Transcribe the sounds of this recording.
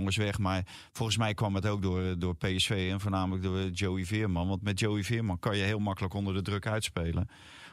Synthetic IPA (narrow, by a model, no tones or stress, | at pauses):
ŋəsʋɛxmar | fɔlˠxən̩s̬mɛjkʋɔmətowk̚dʊərdʊːrpeːɛsfeːɛnfoːnaːmələk̚dʊːrd͡ʒoːivɪərmɑnʋɑntmɛt̚joːivɪərmɑnkɔnjəɦɪːlˠmakələkondərdədrøkœɥtspejlə̰